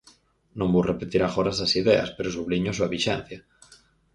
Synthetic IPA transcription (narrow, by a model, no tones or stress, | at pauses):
nõmburʔepet̪iɾaxoɾasasiðea̰speɾosuβ̞liɲosuaβiʃɛn̟θja